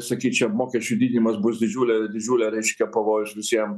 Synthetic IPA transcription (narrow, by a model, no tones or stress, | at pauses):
sɐkʲiːt͡ʃʲɛmoːkʲɛsʲt͡ʃʲʊd̪ʲiːd̪ʲɪnʲɪmɐsbʊsd̪ʲɪd͡ʒʲuːlʲɛd̪ʲɪd͡ʒʲuːlʲɛɾʲɛɪʃʲkʲɛpɐʋoːjʊsʋʲɪsʲiɛm